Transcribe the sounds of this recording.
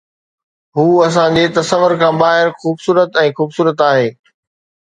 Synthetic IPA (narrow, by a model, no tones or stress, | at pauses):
ɦuːɐs̬ãd͡ʑet̪ɐsəʋəɾkʰãːbaːɦɪɾxuːbsuːɾət̪ɛ̃ːxuːbsuːɾət̪aːɦeː